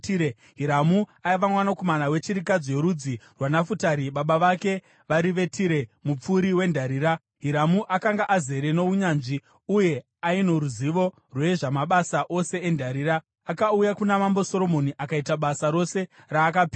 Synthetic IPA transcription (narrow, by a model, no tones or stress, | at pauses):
e | ɦiɾamuaiʋamwanakomanawe̞t͡ʃiɾikad͡zje̞ɾud͡zirwanafutaɾiɓaɓaʋake̞ | ʋaɾiʋe̞tʰiɾe̞mup͡fuɾiwe̞ndʱaɾiːɾa | ɦiɾamuʔakaŋɡaʔaze̞ɾe̞no̞uɲaːnʐi | uje̞ | ainoɾuziʋo̞ | rweʐamaɓasaʔo̞se̞ːndʱaɾiːɾaː | kaujakunamambo̞so̞ɾo̞mo̞niʔakaitaɓasaɾo̞se̞ | raːk̬api